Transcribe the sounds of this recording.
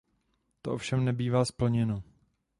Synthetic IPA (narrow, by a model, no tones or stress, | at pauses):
t̪oʔo̞fʃɛmnɛbiːvaːspl̩ɲɛno